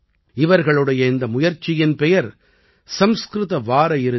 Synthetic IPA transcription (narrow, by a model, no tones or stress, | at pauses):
ɪʋɐɾɣɐɭɯɽɐjɐɪnd̪ɐmʊjɐɾt͡ʃːɪjɪnpɛjɐɾ | sɐmskɾɯðɐʋaːɾɐjɪɾɯ